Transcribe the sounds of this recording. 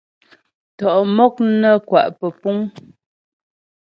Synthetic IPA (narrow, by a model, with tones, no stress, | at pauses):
tɔ˨ʔmɔ˦k̚nə˦˨kwa˨ʔpə˨pu˦ŋ